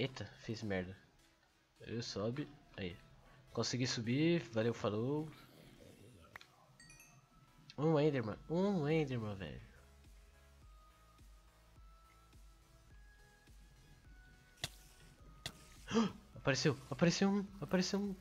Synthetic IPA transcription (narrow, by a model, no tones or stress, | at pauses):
et̪ɐfezmɛɾd̪ɐ | ḛwsobɪa̰ikõsiɡisubivalewfalo | ũẽj̃d̪eɾmɐ̰̃ũẽj̃d̪eɾmɐ̃vɛ̰ʎʊ | apaɾesewapaɾesewũapaɾesewũ